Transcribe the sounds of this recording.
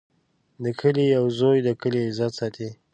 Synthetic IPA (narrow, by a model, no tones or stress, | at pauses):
d̪əkʰəlijawzojd̪əkəlizat̪sɑt̪ʰe